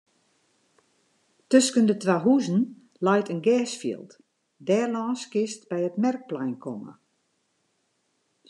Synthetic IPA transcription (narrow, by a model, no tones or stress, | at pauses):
tøskəndətʋaɦuzən̩ | lajtənɡɛːsfḭəlˠt | dɛːrlɔːskɪst̚bɛjətmɛrk̚plɛjnkʰɔmə̰